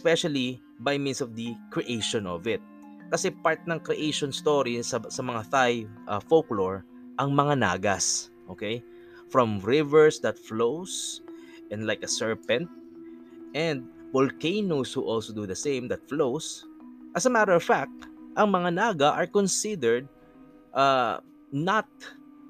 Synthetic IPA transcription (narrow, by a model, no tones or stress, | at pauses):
ɛspɛʃɐli | bajmĩnsɔvd̪ɐkɹiʔejʃɔ̃nɔvɪt̪̚ | kɐsɛpaɹt̪̚nɐŋkɾɛʔejʃɔnst̪oɹisɐsɐmɐŋaθajʔɐfokloɹ | ʔɐŋmɐŋana̰ːɡɐs | ʔo̰ːkej | fɹɔ̃mɹɪvɛɹsd̪ɐt̪̚flows | ʔɛ̃nlajkɐsɛɹpɛ̃nt̪̚ | ʔɛ̃nd̪̚ | volkejnoshuʔɔlsod̪uðɐsẽjmd̪ɐt̪̚flowsʔɐsɐmaɾəɹɔvfak̚t̪̚ʔɐŋmɐŋanaːɡɐʔɐɹkɔnsɪd̪ɛɹd̪̚ | ʔa | nɐt̪̚